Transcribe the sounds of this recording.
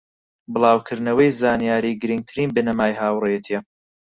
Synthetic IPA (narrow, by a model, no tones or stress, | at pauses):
bɨlˠɑːwkʰɨɾd̪nɐwɐjzaːnijaːɾiːɡɨɾɨŋɡ̚t̪ʰɨɾiːnbɨnɐmaːjhaːwrejɛt̪ʰiɛ